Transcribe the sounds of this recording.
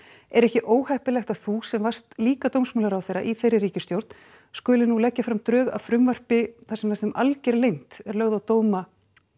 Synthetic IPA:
ɛɾɛhcɪʔoːwhɛhpɪlɛxt̪aðθusɛmvar̥st̪liːkat̪owmsmœːlaɾawθejɾa̰ʔiθejrɪriːcɪst̪jowɾt̪n | skʏːlɪnulɛcːafɾamt̪ɾœːɣa̰ðfɾʏmvar̥pɪθasɛmlast̪ʏmʔalcɛɾlejn̥t̪ɛɾlœɣðawt̪oːwma

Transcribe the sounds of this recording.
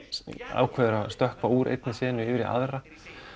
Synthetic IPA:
a̰ːwkʰvɛðʏɾast̪œhkvauːɾʔḛjt̪nɪsɛːnʏɪːvɪɾiʔa̰ðra

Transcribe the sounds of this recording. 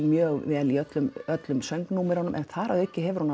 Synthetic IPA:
lmjœːɣvɛːliœt̪lʏmœt̪lʏmsœŋknumɪɾhɔnʏmʔɛ̰nθaɾaðɛhcːɪɦɛvʏɾ̥huna

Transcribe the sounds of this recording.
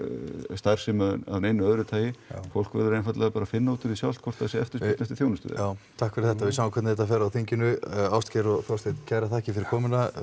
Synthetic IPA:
st̪ajɾ̥sɪmaða̰vnejnʏœðɾʏt̪ʰaːjɪfowl̥kvɛ̰ɾðʏɾejnfat̪lɛɣapaːɾafɪnːauːt̪ʏɾisjawlt̪̚kʰɔ̥t̪aðsɛɛft̪ɪ̥sɪnɛst̪ɪ̥θjownʏst̪ʏ̰ð̰awt̪ʰakfɛɾɪɾθɛht̪avɪsawãŋkʰɛtnɛt̪ːafɛɾawθiɲcɪnʏawst̪cɛɾɔɣθɔst̪eɪt̪cɛɾat̪ʰaːhcɪfɪɾɪɾkʰɔːmɪna

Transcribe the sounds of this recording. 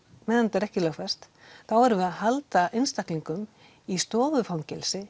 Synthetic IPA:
mɛːðant̪ɛɾɛhcɪlœxfɛst̪ | θawɛɾvʏaðhalt̪aʔejnst̪ahkliŋkʏm | ist̪ɔːvʏfawɲcɛlsɪ

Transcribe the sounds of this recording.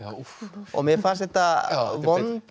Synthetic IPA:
ɔ̰ɣmɛfaɾsɛht̪avɔn

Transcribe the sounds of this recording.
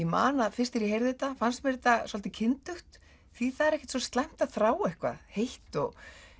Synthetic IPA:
imaːnaðfɪr̥st̪ɪɾiɦejɾðɪt̪afanst̪mɛɾɪt̪asɔlt̪ɪcʰɪnt̪ʏxt̪ | θiθaðɛɾɛhcɪ̥t̪sɔst̪lɛm̥t̪aðθɾaːwɛhkva̰ðhejht̪ɔɣ

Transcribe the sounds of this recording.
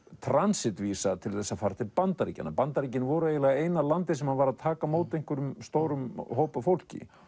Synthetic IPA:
t̪ʰɾansɪt̪visat̪ʰɪlθɛsːaðfaːɾt̪ʰɪpant̪aɾḭca̰nːa̰pant̪aɾic̬ɪnvɔɾʏejɪlɛːɣaeːjnalant̪ɪ̥sɛmhanvaɾaðt̪ʰaːkamoːwt̪ejŋ̥kvʏɾʏmst̪owɾʏmhoːwpafowl̥cɪ̰

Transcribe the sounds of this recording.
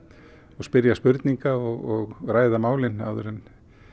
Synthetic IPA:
ɔɣspɪɾjaspʏɾt̪niŋkaɔɣɔɣɾaːjðamaːwlɪna̰wðʏɾɛn

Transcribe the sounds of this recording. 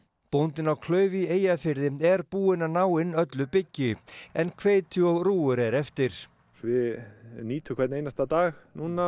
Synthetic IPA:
pownt̪ɪnawkʰlœːɥvieːjafɪɾðɪɛɾpuːɪnanaːwɪnœt̪lʏpɪcːɪɛnkʰveːjt̪ʰʏɔɣruːʏɾɛɾɛft̪ɪɾ̥ | vɪniːt̪ʰʏkʰvɛt̪nejnast̪at̪aːɣnuːna

